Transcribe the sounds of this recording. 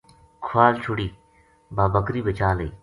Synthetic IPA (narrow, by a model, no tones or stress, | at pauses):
kʰʊʋaːlt͡ʃʰʊɽiː | baːbəkɾiːbət͡ʃaːləiː